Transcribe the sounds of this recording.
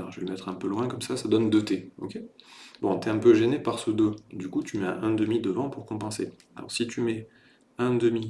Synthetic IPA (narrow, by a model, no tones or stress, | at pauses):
ɔʒəveləmɛt̪χɛ̃pølwɛ̃kɔmsasad̪ɔnd̪ət̪eo̰kʲebɔ̃t̪ɛɛ̃pøʒenepaʁsəd̪ød̪ykut̪ymɛɛ̃ʔɛ̃d̪əmid̪əvɑ̃puʁkɔ̃pɑ̃se | a̰lɔ̰ʁsit̪ymɛ | ɛ̃d̪əmi